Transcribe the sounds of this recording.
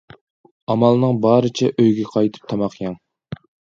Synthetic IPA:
ɑmɑlˠnɨŋbɑːɾɨt͡ʃʰɛʔøjɡʲɛqʰɑjt̪ʰɨ̥p̚t̪ʰɑmɑqjɑŋ

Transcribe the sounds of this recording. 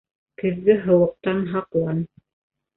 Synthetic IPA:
kɘ̆ðɡɘɦɤ̆wɤ̆q̚t̪ɑnɦɑqlˠɑn

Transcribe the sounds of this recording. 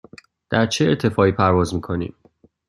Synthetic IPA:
d̪̥æɾt͡ʃʰeːɾt̪ʰe̞fɒːiːpʰæɾvɒːzmiːkʰo̞nḭːm

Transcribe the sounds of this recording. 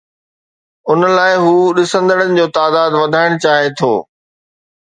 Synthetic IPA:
ʊnlaːɪɦuːɗɪsə̃nd̪əɽənɪ̆d͡ʑoːt̪aːd̪aːd̪ʋɐd̪ʱaːɪɽ̃ʊt͡ɕaːɦet̪ʰo̰ː

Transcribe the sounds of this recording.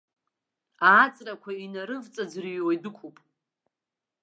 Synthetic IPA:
aːt͡sʼrakʷʰainaɾɨvt͡sʼad͡zrijwajdɨkʷʰupʼ

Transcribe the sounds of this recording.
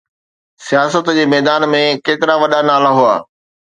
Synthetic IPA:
sijaːsət̪d͡ʑeːmɛːd̪aːnmẽkeːt̪ɪɾaʋɐɗanaːlaɦua̰ː

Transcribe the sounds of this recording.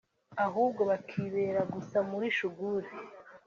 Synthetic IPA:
aɦuːb̚ɡo̞βakʰiːβe̞ːɾaɡusamuɾiʃuɡuɾe

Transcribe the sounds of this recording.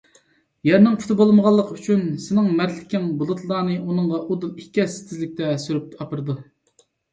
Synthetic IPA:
jɛɾnɪŋpʰy̥t̪ʰɪbolˠməʁɑlˠːəqʰəyt͡ʃʰynsɪnɪŋmæɾlɪ̥kʲɪŋbulˠɨt̪ʰlˠɑːnɨʔunɨɴʁɑʔud̪ɨniɛsɪ̥t̪ʰɪzlɪk̚ʲt̪ʰɛsyɾyp̪̚ɑpɨɾɨd̪u

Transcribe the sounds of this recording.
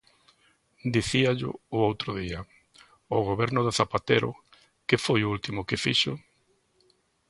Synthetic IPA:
d̪iθiaʎʊ̰ʊowt̪ɾʊðiɐ | oɣ̞oβɛɾnʊðɪθapat̪eɾʊ̰ | kɪfojʊult̪imʊkɪfiʃʊ

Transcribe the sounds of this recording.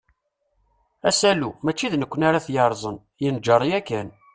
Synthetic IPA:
æsælumæt͡ʃːiðnəkʷːənaɾaθjəɾˤzˤən | jənd͡ʒɑɾˤjækːæn

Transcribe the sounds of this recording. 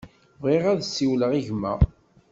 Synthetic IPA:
vʁiʁæðsːiwləʁiʝmæ̰

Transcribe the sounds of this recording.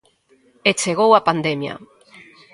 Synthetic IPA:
et͡ʃeɣ̞owapand̪emja̰

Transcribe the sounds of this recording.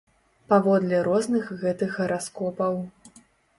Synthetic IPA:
pavɔd̪lʲɛɾɔznɨxɣɛt̪ɨxɣɐɾʔaskɔpɐw

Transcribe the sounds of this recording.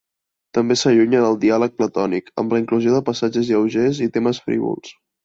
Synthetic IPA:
t̪əmbesəʎuɲəðəlˠd̪ialək̚plət̪ɔnikə̰mləiŋkluzioðəpəsad͡ʒəzjəwʒezit̪eməsfɾḭβṵlˠs

